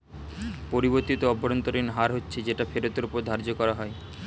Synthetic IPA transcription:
poɾiboɾt̪it̪oɔbʱoɾont̪oɾinɦaɾɦotːɕʰed͡ʑeʈafeɾot̪eɾupoɾd̪ʱaɾd͡ʑokɔɾaɦɔe

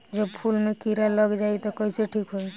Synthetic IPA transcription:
d͡ʒəbpʰulmekiɾaləɡd͡ʒait̪ɔkəseʈʰikɦoi

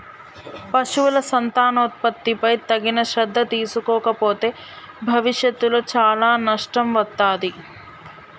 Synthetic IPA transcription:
pɐʃuʋulɐsɐnt̪aːnoːt̪̚pɐt̪ːipɐjt̪ɐɡinɐʃɾɐd̪ʱːɐt̪iːsukɔːkɐpoːt̪e̞ː | bʱɐʋiʃjɐt̪ːuloːt͡ʃaːlaːnɐʂʈɐmʋɐt̪ːaːd̪i

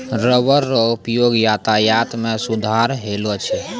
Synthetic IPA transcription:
ɾəʋəɾːɔupjoɡjat̪ajat̪mẽsud̪ʱaɾɦelot͡ʃʰɛ

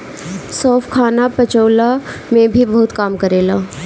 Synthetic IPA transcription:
sɔːfʰkʰaːnapɐt͡ʃəːlamẽbʱibɔːʊt̪kaːmkɐɾeːlaː

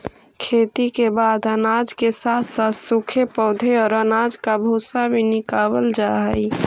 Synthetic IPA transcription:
kʰeːt̪ikebaːd̪ənad͡ʒkesaːt̪ʰsat̪sukʰepɔʊd̪ʱeɔːɾənaːd͡ʒkabʱuːsabʱinɪkaːwəld͡ʒaɦɛi

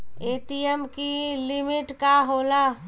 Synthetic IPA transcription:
eːʈijemkilimɪʈkaɦoːla

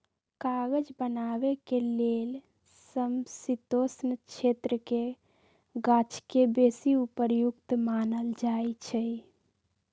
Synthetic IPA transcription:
kaɡəd͡ʒbənabekelel | səmsit̪osnət͡ʃʰet̪ɾəke | ɡat͡ʃʰkebesiupəɾjukt̪manəld͡ʒajt͡ʃʰəj

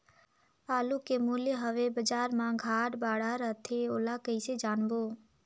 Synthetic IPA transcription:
aːlukemuljeɦəʋebəd͡ʒaːɾmãɡʱaːʈbaːɽaɾət̪ʰeoːlakəɪsed͡ʒaːɳboː

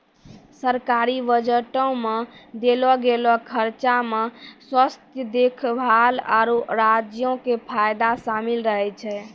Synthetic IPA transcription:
səɾkaɾiʋəd͡ʒəʈɔ̃med̪elɔɡelɔkʰəɾt͡ʃameswəst̪jəd̪ekʰbʱala̰ɾoɾad͡ʒjõkepʰajd̪asamilɾəɦɛt͡ʃʰɛ

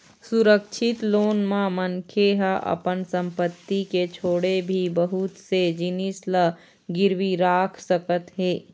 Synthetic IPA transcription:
suɾəkʃʰɪt̪loːnmãmənkʰeɦaʔə̰pənsə̃mpət̪ːiket͡ʃʰoːɽebʱibəɦʊt̪sed͡ʒɪnislə | ɡɪɾwiɾaːkʰsəkət̪ɦeː

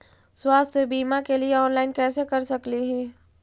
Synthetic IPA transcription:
swaːst̪ʰjəbiːmakelieɔːnlaːɪnkɛːsekɐɾsɐkliɦɛː

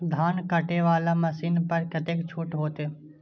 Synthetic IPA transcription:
d̪ʱaːnkəʈeʋaːlamɐsiːnpɐɾkɐt̪eːkt͡ʃʰuʈɦoːt̪e

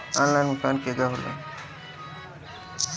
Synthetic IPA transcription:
ɔ̃nlajnmʊkaːnkeɡaɦolḛ

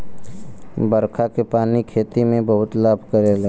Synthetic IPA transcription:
bəɾkʰakepaːnikʰeːt̪imẽbəɦʊt̪laːbʱkəɾeleː

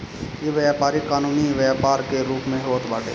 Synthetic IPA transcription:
jeʋjaːpaːɾikaːnuːniʋjaːpaːɾkeɾuːpmẽɦoːt̪baːʈḛː

